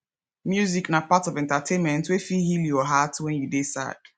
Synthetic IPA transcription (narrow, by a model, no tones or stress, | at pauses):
mjuziknapatɔvɛ̃ntatʰẽnmɛ̃ntwefiɦiljɔɦatwɛ̃njudesa̰d̥